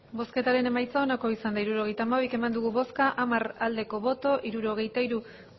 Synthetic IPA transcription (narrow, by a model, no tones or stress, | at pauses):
bo̞ske̞t̪aɾe̞ne̞majt͡sao̞nako̞isand̪aiɾuɾo̞ɣejt̪aːma̞ike̞mand̪uɣ̞uβo̞skaʔamaɾald̪e̞ko̞βo̞t̪o̞ʔiɾuɾo̞ɣ̞e̞jt̪aiɾu